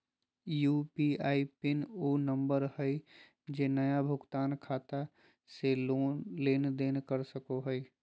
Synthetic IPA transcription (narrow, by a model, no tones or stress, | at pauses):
juːpiaːipɪnoːnə̃mbəɾhəi | d͡ʒeːnɐjabʱʊɡt̪aːnkʰaːt̪a | seleːnd̪eːnekəɾsəkoɦəi